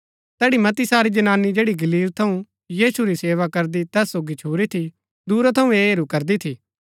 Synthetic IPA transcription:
t̪ɛːɽimɐt̪isaːɾid͡ʒɐnaːnːid͡ʒeːɽiɡɐliːlt̪ʰɐũ | jiːsuɾiseːʋakɐɾd̪it̪ɛːsːoːɡit͡ʃʰoːɾit̪ʰi | d̪uːɾat̪ʰɐũeːɦɾukɐɾd̪it̪ʰiː

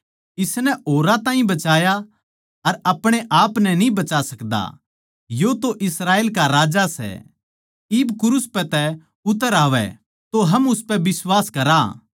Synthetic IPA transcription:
ɪsnɛoːɾãt̪ãːɦĩbɐt͡ʃaːja | ɐɾɐpɽ̃eʔaːpnɛnĩbɐt͡ʃasɐkd̪a̰ | jot̪oʔɪsɾaːeːlkaɾaːd͡ʒasɛ̰ | ɪbkʊɾʊspɛt̪ɛ | ʊt̪əɾaːʋɛ̰ | t̪oɦɐmʊspɛbɪswaːskɐɾa

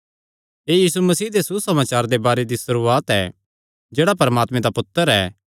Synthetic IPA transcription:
eːjiːsumɐsiːd̪esusɐmaːt͡ʃaːɾd̪ebaːɾed̪isɐɾuːaːt̪ɛ̰ | d͡ʒeːɽapɐɾəmaːt̪mẽd̪apʊt̪ːəɾɛː

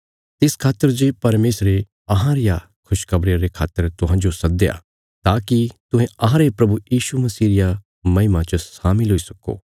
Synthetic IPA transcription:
t̪ɪskʰaːt̪ːəɾd͡ʒepɐɾmeːsɾe | ɐɦãɾɪja | kʰʊʃkɐbɽjaɾekʰaːt̪ːəɾt̪ʊɦãːd͡ʒosɐd̪eja̰ | t̪aːkit̪ʊ̃ɦẽɐɦãɾepɾɐbujiːʃumɐsiːɾɪja | mɐɦɪmãt͡ʃəsaːmɪlɦoːisɐko̰ː

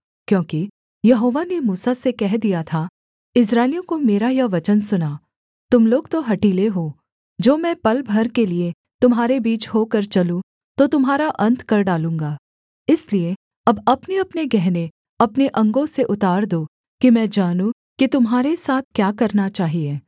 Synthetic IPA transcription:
kjõːki | jɐɦoːʋanemuːsasekɛɦd̪ijat̪ʰa | ɪs̬ɾaːɪlijõkomeːɾajɐʋɐt͡ʃənsʊnaː | t̪ʊmloːɡt̪oɦɐʈiːleɦoː | d͡ʒoːmɛ̃ːpɐlbʱɐɾkelie | t̪ʊmɦaːɾebiːt͡ʃɦoːkɐɾt͡ʃɐlũ | t̪ot̪ʊmɦaːɾaʔɐ̃nt̪ʰkɐɾɖaːlũːŋɡaː | ɪslie | ɐbɐpneɐpneɡɛɦne | ɐpneʔɐ̃ŋɡõseʔʊt̪aːɾd̪oː | kimɛ̃ːd͡ʒaːnũ | kit̪ʊmɦaːɾesaːt̪̚ʰkjaːkɐɾnat͡ʃaːɦieː

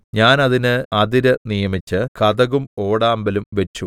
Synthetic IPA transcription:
ɲaːnɐðinɨɐd̪iɾɐnijɐmit͡ɕːɨkɐðɐɣumo̞ːɽaːmbɐlumʋɐt͡ɕːu

